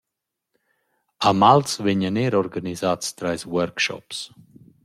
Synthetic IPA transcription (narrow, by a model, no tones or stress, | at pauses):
amaltsvɪɲaneɾɔɾɡanizast̪ɾajswɛɾkʃɔ̰ps